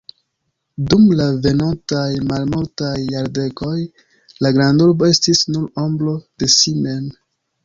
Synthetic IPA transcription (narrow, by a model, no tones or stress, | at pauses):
dumlave̞nontajmalmultajːaɾde̞ko̞j | laɡɾanduɾbo̞e̞stisnuɾomblo̞de̞sime̞n